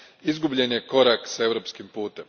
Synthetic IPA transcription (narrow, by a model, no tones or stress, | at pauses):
izɡubʎe̞nje̞ko̞ɾaksae̞ʋɾo̞pskimpuːt̪e̞m